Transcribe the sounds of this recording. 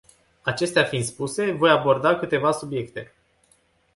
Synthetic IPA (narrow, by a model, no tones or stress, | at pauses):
at͡ʃe̞st̪eafint̪spuse̞vo̞jabo̞rd̪akɨt̪e̞vasubje̞kt̪e̞